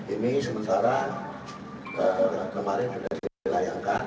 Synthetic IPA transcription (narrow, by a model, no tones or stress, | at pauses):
inisəmənt̪aɾan | əkəmaɾɛnt̪udaddilajaŋkan